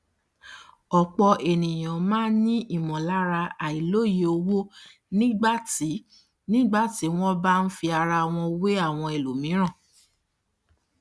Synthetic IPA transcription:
ɔ˨k͡pɔ˧ʔe˨nĩ˨j̃ã˨mãː˦nĩ˦ʔi˦˨mɔ̃˨la˦ɾa˧a˨i˨lo˦˨ji˦o˧wo˦ | nĩ˦ɡ͡ba˦˨ti˨˦ | nĩ˦ɡ͡ba˦˨ti˨˦w̃ɔ̃˦ba˦n̩˦fi˧a˧ɾa˧w̃ɔ̃˧we˦a˦˨w̃ɔ̃˧e˨lo˨mĩ˨˦ɾ̃ã˦˨

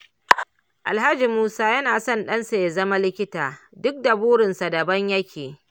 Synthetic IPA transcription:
ʔa˨lɦa˦d͡ʒi˨muː˦saː˦jɐ˦naː˨sɔ˦˨nɗɐ˦nsa˨ja˨zɐ˦ma˦lɪ˦kʲɪ˦taː˨dʊ˦k̚da˨buː˦ɽɪ˨nsa˨dɐ˨bɐ˦ɲjɐ˦kʲeː˨

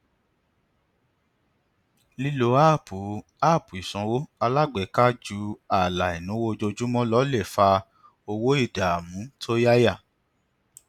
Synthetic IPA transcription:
li˦lo˨˦a˦˨pu˨ | a˦˨pu˨i˨sɔ̃˧wo˦a˧la˦˨ɡ͡bɛ˨˦ka˦d͡ʒu˧˦a˨la˨i˨nũ˨˦wo˦˧d͡ʒo˧d͡ʒu˦mɔ̃˦lɔ˦le˦˨fa˧ | o˧wo˦i˦˨da˨a˨mũ˨˦tʰo˦ja˦ja˦˨

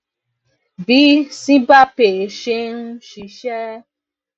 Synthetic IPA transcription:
bi˨˦sĩ˦ba˦pe˨ʃe˧nũ˦ʃi˧˦ʃɛ˦

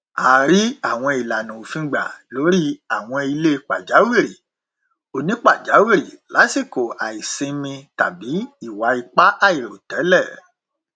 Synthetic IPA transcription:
a˨ɾi˨˦a˦˨w̃ɔ̃˧i˨la˨nũ˨o˨fĩ˧ɡ͡ba̰˨lo˨˦ɾi˦a˦˨w̃ɔ̃˧i˧le˦˧k͡pa̰˨d͡ʒa˨˦wi˦˨ɾi˨ | o˨˧˨nĩ˦k͡pa˦˨d͡ʒa˨˦wi˦˨ɾi˨la˨˦si˦˨ko˨a̰˨i˨sĩ˧mĩ˧ta̰˨bi˨˦i˦˨wa˨˦i˧k͡pa˦ʔa˦˨i˨ɾo˨tɛ˨˦lɛ˦˨

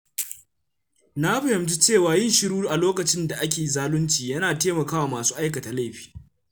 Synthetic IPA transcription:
na˦ɸɐ˨hɪ˨mti˦t͡ʃeː˦˨waː˨jɪ˦nʃɪ˦ɾuː˦ɾʔa˨loː˦kɐ˨t͡ʃɪ˦nda˨ʔa˦kʲeː˨zaː˦lʊ˦nt͡ʃiː˨jɐ˦naː˨teː˦mɐ˨kaː˦waː˨maː˨su̥ː˦ʔa˦jkɐ˨ta˨la˦jɸi̥ː˨

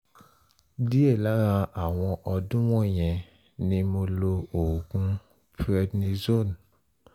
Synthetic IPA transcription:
di˦e˦˨la˨˦ɾa˧a˨w̃ɔ̃˧ʔɔ˧dũ˦w̃ɔ̃˦˨j̃ɛ̃˨ | nĩ˧mo˧lo˧o˨kũ˦ | pɾɛ˦dnĩ˧zo˦˨n

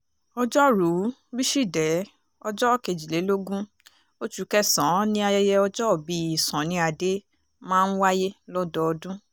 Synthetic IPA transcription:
ɔ˧d͡ʒɔ˦ɾu˨˦bi˦ʃi˦˨dɛ˨˦ | ɔ˧d͡ʒɔ˦˨ke˨d͡ʒi˨le˨˦lo˦ɡũ˦ | o˦t͡ʃu˨˧˦kɛ˦˨sɔ̃˨˦nĩ˦a˧jɛ˧jɛ˧ɔ˧d͡ʒɔ˦˨bi˨˦i˨sɔ̃˨˦nĩ˧˦a˧de˦ | mãː˦˧n̩˦wa˦je˦lɔ˦dɔ˦ɔ˧dũ˦

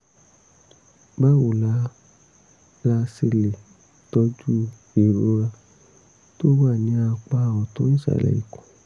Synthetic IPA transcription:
ba˦˨wo˨la˦ | la˧se˧le˨ | tɔ˧d͡ʒu˦ | e˨ɾo˨˦ɾa˧ | to˦wa˦˨nĩ˨˧˦a˧˨k͡pa˧wɔ˨to˦n̩˦sa̰˦˨lɛ̰˨ḭ˨kõ̥˨

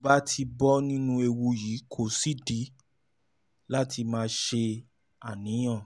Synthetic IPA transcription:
ba˦tʰi˧bɔ˦nĩ˦nũ˧e˧wu˧jiː˨˦kʰo˦˨si˦di˨˦ | la˦tʰi˧mãː˦˧ʃe˧ | a˨nĩ˨˦j̃ã˦˨

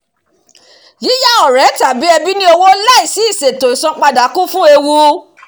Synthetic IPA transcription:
ji˨˦ja˦˨ɔ˨ɾɛ˨˦ta˨bi˨˦ɛ˧bi˦nĩ˦o˧wo˦la˦i˨si˨˦i˦˨se˨to˨i˨sɔ̃˧k͡pa˧da˨˦kũ˦fũ˦e˧wu˧

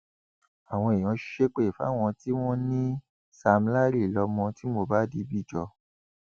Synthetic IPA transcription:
a˨w̃ɔ̃˧e˨j̃ɔ̃˨˦ʃʃe˦k͡pe˦i˨fa̰˨˦w̃ɔ̃˧ti˦w̃ɔ̃˦nĩ˦ | sa˧m̩˦la˦ɾi˦˨lɔ˧mɔ̃˧ti˦mo˧ba˦di˧˦bi˦˨d͡ʒɔ˧

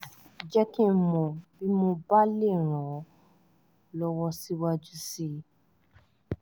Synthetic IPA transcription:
d͡ʒɛ˦kĩ˦mɔ̃˨bi˦mo˧ba˦le˦˨ɾ̃ɔ̃˨ | lɔ˧wɔ˧si˦wa˧d͡ʒu˦˧si˧

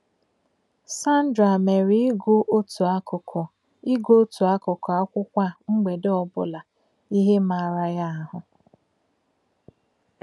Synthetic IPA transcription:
sa˦n̩˦dɾa˨me˨ɾi˦ɡʊ˦ʔo˦tu˨a˦kʊ˨kʰɔ˨ | i˦ɡo˦tu˨a˦kʊ˨kɔ˨a˦kʷʊ˦kʷa˦ŋ͡m̩˦ɡ͡be˨dɔ˦bʊ̰˦la˨ | i˦ɦe˦ma˨ɾa˦ja˦a˦ɦʊ˨

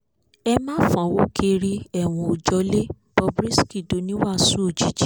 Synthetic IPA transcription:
ɛ˧mãː˦fã˨wo˨˦ke˧ɾi˧ɛ˦˨w̃ɔ̃˧o˨d͡ʒɔ˧˦le˦ | b̥ɔ˧bɾi˦ski˦˨do˨˦nĩ˦wa˦˨su˦o˦˨d͡ʒi˨˦d͡ʒi˨˦

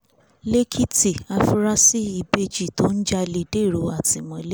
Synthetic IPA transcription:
le˦kʰi˦ti˨a˧fu˧ɾa˦si˦i˧be˧d͡ʒi˦˨to˦n̩˦d͡ʒa˧le˧de˦˨ɾo˨˦a˦˨ti˨mɔ̃˨˧˦le˦

